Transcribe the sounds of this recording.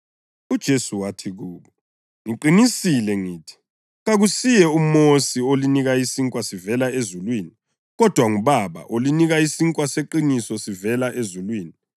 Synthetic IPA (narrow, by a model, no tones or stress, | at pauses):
ud̥ʒ̥ʱesuwatʰiɣuːβɔ | ŋiǃinisilɛŋiːtʰi̥ | ɣaɣusijɛumosioliniɣaisiŋkʼwasivɛlaezulwiːni | ɣɔd̥ʱwaŋuβaβa̰ʔoliniɣaisiŋkʼwaseǃinisɔsivɛlaʔezulwiːni